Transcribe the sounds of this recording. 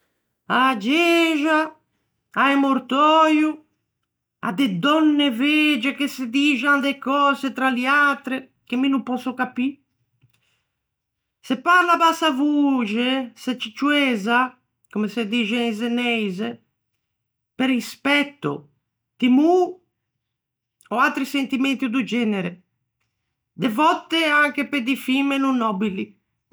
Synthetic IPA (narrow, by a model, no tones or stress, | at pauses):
ad͡ʒɛːʒa | aɛmoɾt̪ɔːju | a̰d̪ɛd̪ɔnːɛved͡ʒɛkesed̪iːd͡ʒand̪ɛkɔːzet̪ɾaliat̪ɾɛ | k̟emːinumpɔsɔkapi | sɛpːaɾlabasavuːd͡ʒeset͡ʃit͡ʃuɛːza | komesed̪id͡ʒɛzenɛjze | peɾispɛt̪ːo̰ | d̪̥imu | ɔat̪ɾisent̪imɛnt̪id̪ud͡ʒɛːneɾe | d̪evɔt̪ːeaŋk̟eped̪ifimenunːɔbili